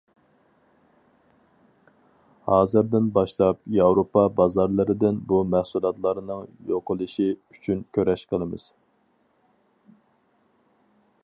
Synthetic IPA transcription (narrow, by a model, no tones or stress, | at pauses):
hɑːzɨɾd̪ɪnbɑʃlˠɑpjɑwɾopʰɑbɑzɑɾlˠɨɾɨd̪ɪnbumɛhsulˠɑt̪lˠɑɾnɨŋjoqʰəlˠɨʃiyt͡ʃʰynkʲʰøɾɛʃqʰəlˠɨmɨ̰z̥